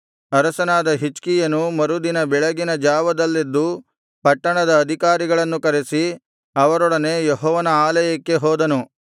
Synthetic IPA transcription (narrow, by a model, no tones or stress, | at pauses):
ɐɾɐsɐnaːd̪ɐɦit͡ʃkijɐnumɐɾud̪inɐbɛɭɐɡinɐd͡ʒaːʋɐd̪ɐlːed̪ːu | pɐʈːɐɳɐd̪ɐːd̪ʱikaːɾiɡɐɭɐnːukɐɾesi | ɐʋɐɾɔɽɐne̞ːjeɦɔːʋɐnɐaːlɐjɐkːe̞ɦɔːd̪ɐnu